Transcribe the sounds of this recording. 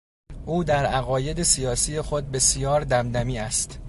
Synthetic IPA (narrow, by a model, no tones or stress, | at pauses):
ʔuːd̪æɾæɣɒːje̞d̪esijɒːsiːje̞xo̞d̪̚be̞sjɒːɾd̪æmd̪æmiːæst̪